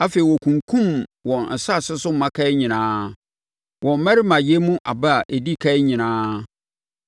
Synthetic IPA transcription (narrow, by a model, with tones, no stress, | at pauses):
a˦fe˨i˨wɔ˨kʰũ˨ŋkʰũ˦mwɔ̃˨nn̩˨sa˦˨sɪ˦sʊ˦m˨mã˦kʰa˦ɪ˦ɲĩ˨nãː˦ | wɔ̃˨m̩˨mɛ˦ɾɪ˦mã˨je˦mũ˦ʔa̰˨ba˦a˨ʔe˨di˦kʰa˦ɪ˦ɲĩ˨nãː˦